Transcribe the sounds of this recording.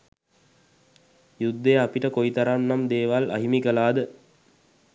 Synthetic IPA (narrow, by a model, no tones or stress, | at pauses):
jud̪ːeapiʈəkoit̪aɾanːamd̪eːʋala̰ɦimikəlaːd̪ə